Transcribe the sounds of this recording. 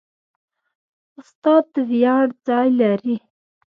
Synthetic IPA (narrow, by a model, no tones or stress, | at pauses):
ʊst̪ɑd̪̚d̪əvjɑɽd͡zɑjlaɾi